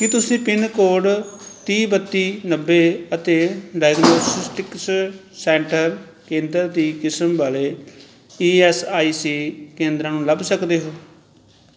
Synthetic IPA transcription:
kɪt̪ʊsĩːpɪnkoːɖt̪iːbət̪ːiːnəbːeːət̪eːɖaːəɡnoːsɪsʈɪks | sɛːɳʈəɾ | kẽːnd̪əɾd̪iːkɪsəmbaːleː | iːɛːsaːiːsiːkẽːnd̪ɾãːnũːləbsəkd̪eːɦoː

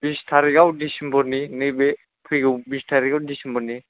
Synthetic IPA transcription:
b̥istʰaɾikawdisimbɔninibe | pʰiɡɔbistʰaɾikawdisimbɔni

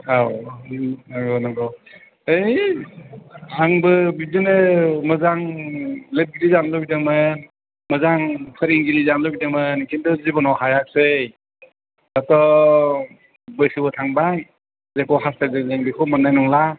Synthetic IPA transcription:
aw | aɡɔnaɡɔ | ej | aŋbɯbizinɯmɯzaŋlep̚ɡilizanlɔbidɯŋmɯn | mɯzaŋpʰɯɾiŋɡilizamlɔbidɯŋmɯnkʰindɔzibɔnɔwɦajak̚sɯj | natɔ | bɯjsʰɯbɯtʰaŋbaj | zekɔɦasazezeŋbikʰɔmɯnːajnɔŋla

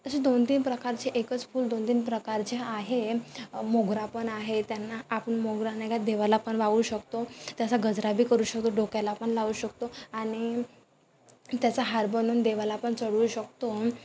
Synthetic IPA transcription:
t̪əɕed̪ont̪iːnpɾəkaɾt͡ɕeʔekət͡sfuːld̪ont̪iːnpɾəkaɾt͡ɕeaɦemoɡɾapəɳaɦet̪janːaːpəɳmoɡɾanekad̪eʋalapəɳʋaʋuːɕəkt̪ot̪jasaɡəd͡zɾabiːkəɾuːɕək̚t̪oɖokalapəɳlauːɕək̚t̪oaɽ̃i | t̪jat͡saɦaɾbənuːnd̪eʋalapəɳt͡səɽuːɕək̚t̪o

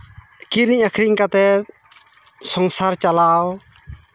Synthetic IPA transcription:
kiɾiɲakʰɾiɲkat̪ɛ | sɔŋsaɾt͡ʃalaw

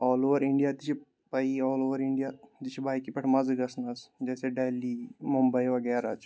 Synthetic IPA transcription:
ɔːloːʋəɾɪɳɖijaːt̪it͡ʃʰi | pɐiɔːloːʋəɾɪɳɖijat̪it͡ʃʰibʱaːikipɐʈʰmɐzɡɐsnɐsd͡ʒɛːseɖeːliːmumbəiʋɐɡɛːɾaːt͡ʃ

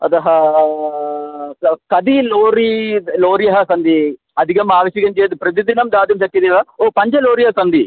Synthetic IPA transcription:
ɐ̰d̪ɐɦɐ | kɐd̪iloːɾiloːɾijɐɦɐsɐnd̪i | ɐd̪ʱikɐmaːʋɐʃiɡɐnd͡ʒeɐd̪ipɾɐt̪̬id̪inɐmd̪aːd̪ɐmsɐk̪ːid̪iʋɐoːpɐɲt͡ʃɐloːɾijɐɦɐsɐnd̪i

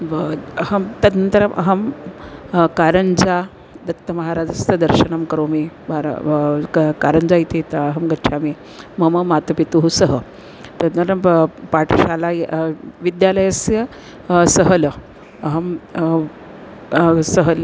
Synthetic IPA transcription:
ʋəɐɦɐmt̪ɐd̪nənt̪əɾɐmʔɐ̰ɦɐm | kaːɾəɲd͡ʒa | d̪ɐt̪ːɐmɐɦaɾaːd͡zɐst̪ɐd̪ɐɾʃɐnɐmkɐɾomebaɾ̰ | kaɾəɲd͡zait̪ʰet̪ɐɦɐmɡɐʃʰame | mɐmɐmat̪ɐpit̪uɦusəɦə | t̪ɐd̪nɐɾɐmpaːʈʰʃaːlajʋid̪jaləjɐsjɐ | səɦələ | ɐɦɐm | səɦəl

